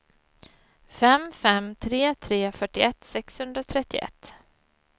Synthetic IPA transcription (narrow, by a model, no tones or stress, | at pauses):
fɛmfɛmt̪ʰɾeːt̪ʰɾeːfœʈːɪʔɛt̪sɛkshɵnd̪ɾat̪ʰɾɛt̪ːɪʔɛ̰t̪ː